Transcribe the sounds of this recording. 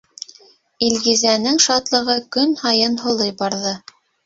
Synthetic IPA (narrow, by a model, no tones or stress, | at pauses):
ilɡizænɘŋʃɑt̪lˠɤ̆ʁɤkɵnhɑjɤnɦŏlˠɤjbɑɾðɤ